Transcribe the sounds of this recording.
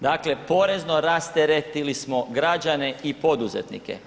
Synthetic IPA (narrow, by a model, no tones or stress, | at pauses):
d̪aːkle̞po̞ɾe̞zno̞ɾast̪eɾet̪ilismo̞ɡɾad͡ʒane̞ipo̞d̪uzḛt̪nḭkḛ